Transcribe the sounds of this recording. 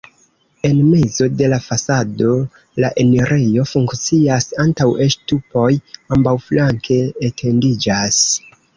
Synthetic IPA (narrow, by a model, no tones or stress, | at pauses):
e̞nme̞zo̞de̞lafasado̞ | laʔe̞neɾʔe̞jo̞fuŋkt͡siasantawe̞ʃtupo̞jambawflaŋke̞ːtʰe̞ndid͡ʒas